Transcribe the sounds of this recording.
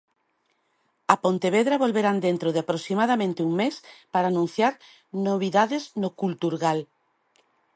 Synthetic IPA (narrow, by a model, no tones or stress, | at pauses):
ɐpont̪eβ̞eðɾaβolβeɾand̪ent̪ɾoðeapɾosimaðamẽnt̪ɪuŋmespaɾaːnũn̟θjaɾ | noβ̞iðaðɪznokult̪uɾɣal